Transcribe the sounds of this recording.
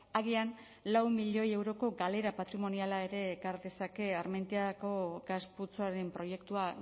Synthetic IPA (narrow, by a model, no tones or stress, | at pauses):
aɣian | lawmiʎo̞je̞wɾo̞ko̞ɡale̞ɾapat̪ɾimo̞nialae̞ɾe̞kaɾðe̞sake̞aɾment̪iako̞ɡasput͡soaɾe̞mpɾo̞je̞kt̪ua